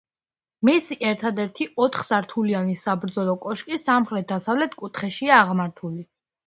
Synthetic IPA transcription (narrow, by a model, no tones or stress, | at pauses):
misiʔɛɾt̪ʰad̪ɛɾt̪ʰiɔt̪ʰχsaɾt̪ʰulianisabɾd̪zɔlˠɔkʼɔʃkʼisamχɾɛt̪̚d̪asavlɛt̪ʰkʼut̪ʰχɛʃiaːʁmaɾt̪ʰuli